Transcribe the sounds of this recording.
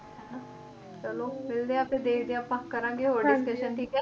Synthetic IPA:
t͡ʃəloːmɪld̪eːaːpẽːd̪eːkʰd̪ẽãːpãːkəɾãːŋɡeɦoːɽiːsʈeːʃənʈʰiːkɛ

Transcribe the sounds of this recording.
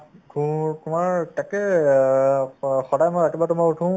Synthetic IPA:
tʰutʊmaɹtakɛ | xɔdajmojatibatʊmautʰũ

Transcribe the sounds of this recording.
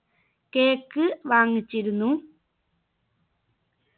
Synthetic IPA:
keːkːɨʋaːŋit͡ɕːiɾunːu

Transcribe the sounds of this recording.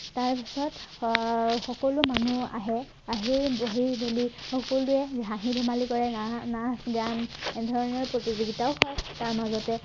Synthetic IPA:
taɹpisɔt | xɔkɔlʊmanua̰ɦɛ | aɦiɹboɦiɹbolixɔkɔlʊɛzɦãɦibʱumalikɔɹɛnasɡandʱɔɹɔnɔɹpɹotizoɡitaʊxɔjtaɹmazɔtɛ

